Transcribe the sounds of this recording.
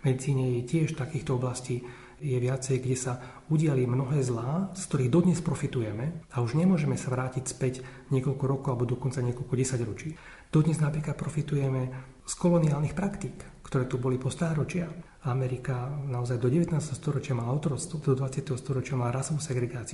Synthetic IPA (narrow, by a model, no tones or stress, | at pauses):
mɛd̪it͡siːɲɛjɛcɪɛʃft̪akiːxt̪ɔɔblasciː | jɛʋɪat͡sɛjɡɟɛsa | uɟɪalimnɔɦɛːzlaːskt̪ɔɾiːɣd̪ɔd̪ɲɛspɾɔfit̪ujɛmɛauʒɲɛmʊɔʒɛmɛsaʋɾaːcicspɛcɲɪɛkɔlkɔɾɔkɔalɛbɔd̪ɔkɔnt͡saɲɪɛkɔlkɔɟɛsaɟɾɔt͡ʃiː | d̪̥ɔd̪ɲɛznapɾiːklat̪pɾɔfit̪ujɛmɛ | skɔlɔniaːlnixpɾakt̪iːk | kt̪ɔɾɛːt̪ubɔlipɔst̪aːɣɾɔt͡ʃɪax | amɛɾikanaɔzajd̪ɔɟɛʋɛt̪naːst̪ɛɦɔst̪ɔɾɔt͡ʃɪamalaɔʊt̪ɔɾɔst̪ɔd̪ɔd̪ʋat͡sɪat̪ɛɦɔst̪ɔɾɔt͡ʃɪamalaɾasʋusɛɡɾɛɡaːt͡si